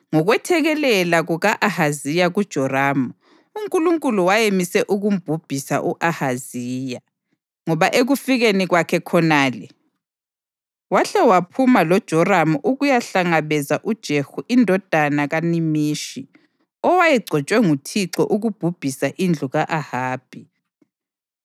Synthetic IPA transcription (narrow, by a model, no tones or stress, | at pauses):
ŋɔɣwɛtʰɛɣɛlɛlaɣuɣaʔahazijaɣud̥ʒ̥ʱɔraːmu | uŋkʼuluŋkʼuluwajemisɛʔuɣum̩b̥ʱub̥ʱisa̰ʔuʔahaziːja | ŋɔβaʔeɣufiɣeniɣwakʰɛkʰɔnaːlɛ | waɬɛwapʰumalɔd̥ʒ̥ʱɔramuʔuɣujaɬaŋaβɛzaʔud̥ʒ̥ʱehuʔindʱɔd̥ʱanaɣanimiːʃi | ɔwajɛɡ͡ǀʱɔt͡ʃʼwɛŋutʰiǁɔ̰ʔuɣub̥ʱub̥ʱisaʔind͡ɮʱuɣaʔahaːb̥ʱi